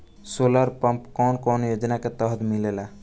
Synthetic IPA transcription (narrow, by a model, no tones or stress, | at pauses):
soləɾpəmpkɔnkɔnjod͡ʒnaket̪əɦt̪milela